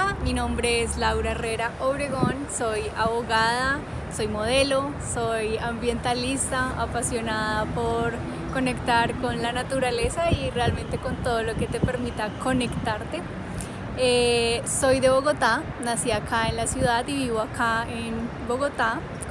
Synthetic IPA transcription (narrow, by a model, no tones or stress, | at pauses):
minõ̞mbɾe̞eslawɾaere̞ɾaʔoβɾe̞ɣonso̞jaβo̞ɣaða | so̞jmo̞ð̞e̞lo̞ | sojambje̞nt̪alist̪aapasjo̞naðapo̞ɾ | ko̞ne̞kt̪aɾko̞nlanat̪uɾale̞saire̞alment̪e̞ko̞nt̪o̞ðolo̞ke̞t̪e̞pe̞ɾmit̪ako̞ne̞kt̪aɾt̪e | eso̞jd̪e̞βo̞ɣo̞t̪a | nasiakʰaenlasjuðaðiβiβo̞akʰaenbo̞ɣo̞t̪a